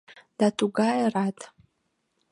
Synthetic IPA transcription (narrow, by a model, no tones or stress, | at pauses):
d̥atʰʼuɡajratʰʼ